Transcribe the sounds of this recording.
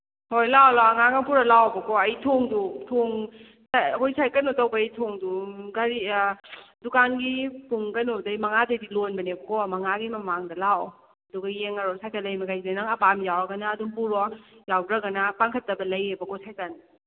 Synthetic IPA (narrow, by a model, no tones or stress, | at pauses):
hojlawlawɐŋaɡaŋpuɾɐlawɐbɐkɔɐjtʰoŋdutʰoŋ | sahojsajkɐnutawbɐjtʰoŋduɡaɾi | dukanɡipuŋkɐnudɐjmɐŋadɐjdilonbɐnebɐkɔmɐŋaɡimɐmaŋdɐlaw | ɐduɡɐjeŋɐɾɔsajkʰatlɐjmɐɡajinanaŋɐbamjawɾɐɡɐnaːduŋpuɾɔjawɾɐɡɐnapaŋkʰɐtːɐbɐlɐjebɐkɔsajkan